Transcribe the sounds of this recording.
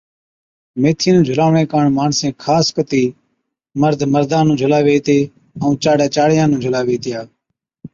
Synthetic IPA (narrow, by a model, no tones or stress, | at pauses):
meːt̪ʰĩːnũːd͡ʒʱʊlaːʋɳẽːkaːɳmaːɳsẽːkʰaːskət̪iː | məɾd̪ʱməɾd̪ʱãːnũːd͡ʒʱʊlaːʋeːt̪eː | əũːt͡ʃaːɽaːt͡ʃaːɽɪjãːnũːd͡ʒʱʊlaːʋeːt̪ɪjaː